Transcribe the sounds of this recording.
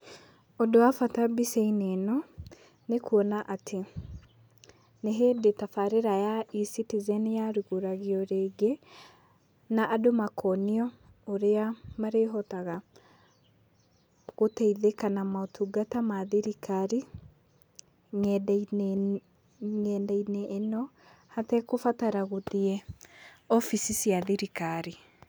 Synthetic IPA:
ɔdoafatabiseinenɔ | nekuɔnaʔatʰe | neɦedetafaɾeɾajaisitizɛnjaɾuɣuɾaɣiɔɾeːɡe | naʔːdomakʰɔniɔ | oɾeamaɾeɦɔtaɣa | ɣotɛiðekanamaotʰuɡatamaðiɾikaɾi | ŋɛd | ŋɛːndainɛʔːnɔ | hatɛkofataɾaɣoðiɛ | ɔfisisiaðiɾikaɾi

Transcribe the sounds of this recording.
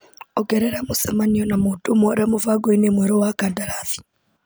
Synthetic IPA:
ɔɡɛɾɛɾamosamaniɔnamoːtomɔɾamovaɡoinemwɛɾɔwakandaɾaθi̥

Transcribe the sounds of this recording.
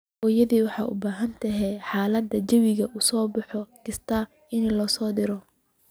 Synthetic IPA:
ʔɔːjɐðiːwɑħɑ̰ːʔʊ̰baːɦɐnt̪ʰɐɦɛħɑːlɐd̪ːɐd͡ʒɐwɪɣɐʔʊsɔːbɑħɔɡɪst̪ʰa | ʔɪnlɔːsɔːd̪ɪɾɔ

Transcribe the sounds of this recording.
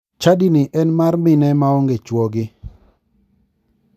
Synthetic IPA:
t͡ʃadinɪʔɛnmarmɪnɛmaɔŋɡet͡ʃwɔɡɪ

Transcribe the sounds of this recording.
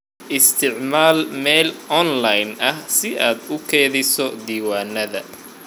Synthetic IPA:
ʔɪst̪ʰɪʕmaːlmɛlɔnlajnɐhsɪʔaːd̪ʊkʰɛːðɪsɔd̪iːwaːnɐðɐ

